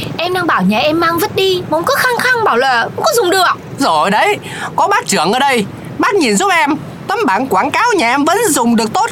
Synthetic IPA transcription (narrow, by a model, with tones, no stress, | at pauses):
ʔɛ˧mɗaː˧ŋɓaː˧˩wɲaː˨˩ʔɛ˧mːaː˧ŋvə˦˥t̚ɗi˧mo˨˦ŋ͡mkɨː˨˦˥xaː˧ŋxa˧ŋɓaː˧˩wləː˨˩kŋ͡mkɔ˨˦zʊ˨˩ŋ͡mɗɨ˨˩ək̚ | zo˨˩˨ɗə˨˦j | kɔ˨˦ɓaː˦˥k̚t͡ɕɨ˧˩əŋʔəː˧˩ɗə˧j | ɓaː˦˥k̚ɲi˨˩nzu˦˥p̚ʔɛ˧m | t̪ə˨˦mɓaː˧˩nkwaː˧˩nkaː˨˦wɲaː˨˩ʔɛ˧mvə̰˧˥nzʊ˨˩ŋ͡mɗɨ˨˩ək̚t̪o˦˥t̚